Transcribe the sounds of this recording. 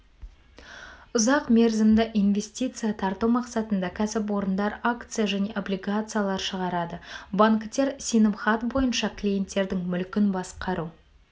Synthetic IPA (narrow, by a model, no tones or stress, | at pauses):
ʊzɑqme̞ɾzɪmd̪ɪʔijnvʲe̞sʲt̪ʲijt̪sɨjat̪ʰɑɾt̪uwmɑqsɑt̪ənd̪ɑkʲʰæsɪp̬wo̞ɾənd̪ɑɾakt̪sɨjaʒæne̞ʔo̞blʲijɡat̪sɨjalˠɑɾʃəʁɑɾɑd̪əbaŋkt̪e̞ɾsijnəmχat̪bo̞jənʃɑklʲije̞nt̪ːe̞ɾd̪ɪŋmʏlkʲɪnbɑsqɑɾu